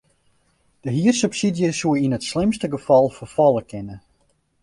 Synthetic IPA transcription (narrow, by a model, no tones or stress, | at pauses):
d̥əɦiərsypsidjəsuəinətslɪmstəɡəfɑlˠfərfɑlˠəkʰɪnə